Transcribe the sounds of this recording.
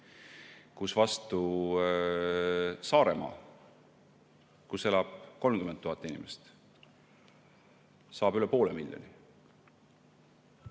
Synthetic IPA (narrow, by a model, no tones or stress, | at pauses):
kusvɑst̪u | sɑːɾḛmɑ̰ː | kuse̞lɑb̥ko̞lmkyment̪ːuhɑt̪ːˑinimest̪ | sɑːbyle̞po̞ːlemilʲjo̰ni